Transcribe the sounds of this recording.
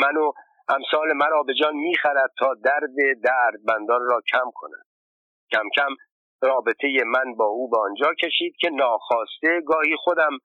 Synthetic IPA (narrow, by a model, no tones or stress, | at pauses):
mæno | ʔæmsɒːle̞mæɾɒːbe̞d͡ʒɒːnmiːxæɾæd̪̥̚t̪ʰɒːd̪æɾd̪e̞d̪æɾd̪̚bænd̪ɒːnrɒːcʰæmkʰo̞næ̰d̪̥̚ | cʰæmcʰæm | rɒːbe̞t̪ʰe̞je̞mænbɒːʔuːbeɒnd͡ʒɒːcʰe̞ʃiːd̪̥̚cʲʰe̞nɒːxɒːst̪e̞ɡɒːhiːxod̪æm